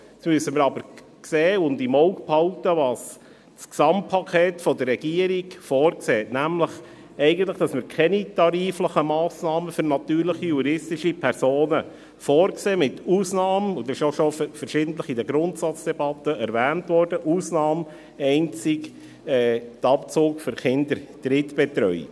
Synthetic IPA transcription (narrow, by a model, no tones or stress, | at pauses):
smyəsəməɾɑbəɾ | kseːʊndimɔʊkphɑltəʋɑːs | sksɑmpʰɑkʰeːt̪fɔd̪ərːɛɡ̥iəɾiɡfɔːɾkseːtnæmləχ | ɛɪɡən̩t̪ləχd̥ɑsməɾkʰɛnitɑɾiːfləχəmɑːsnɑːməfʏɾnɑt̪yːɾləχijuɾɪstɪʃipʰɛɾsoːnə | fɔːɾkseːmɪt̪uːsnɑːmʊd̪ɑɪʃoʃɔffəɾʃɪd̥ən̩t̪ləχidəɡɾʊntsɑt͡sd̥ɛb̥ɑt̪ːəɛɾvæːntʋɔrd̥əʔuːsnɑːm | ɛɪnt͡sɪk | ɛːt̪ɑpt͡sʊːkføɾχɪnd̪əɾd̥ɾɪtb̥ɛt̪ɾœʏ